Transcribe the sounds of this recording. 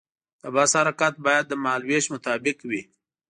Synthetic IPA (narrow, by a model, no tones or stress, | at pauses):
d̪əbashaɾakat̪̚bɑjad̪̚ːəmɑːlweʃmʊt̪ɑːbɪkwi